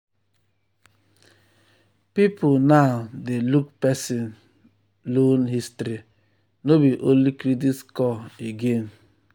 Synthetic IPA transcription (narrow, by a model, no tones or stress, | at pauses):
pipulnaʊdeluk̚pɛsin | lonɦistɾi | nobiʔolikɾit̬itkɔeɡen